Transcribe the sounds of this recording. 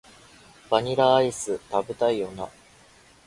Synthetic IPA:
b̥aɲ̟iɾaːisɨt̪abɯt̪aijona

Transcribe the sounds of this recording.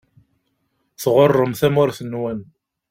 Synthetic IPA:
θʁʊrˤːəmθæmʊɾθənːwæn

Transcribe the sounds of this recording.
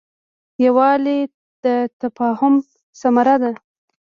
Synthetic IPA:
jawɑle | d̪̥ət̪afɑhʊm | samaɾad̪a

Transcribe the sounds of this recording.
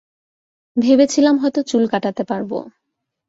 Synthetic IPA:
bʱebet͡ɕʰilamɦɔjt̪ot͡ɕulkaʈat̪epaɾbo̰

